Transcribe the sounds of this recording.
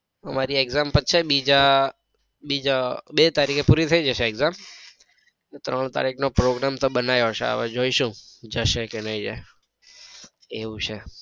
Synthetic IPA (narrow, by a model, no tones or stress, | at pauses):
əmaɾieɡzampəʃʰebid͡ʒa | bid͡ʒabet̪aɾikʰepuɾit̪ʰəid͡ʒəʃeːɡzam | net̪ɾəɳ̃t̪a̰ɾiknopɾoɡɾamt̪obənajoʃḛa̰ʋed͡ʒoiʃũd͡ʒəʃekenəid͡ʒa | eʋũt͡ʃʰe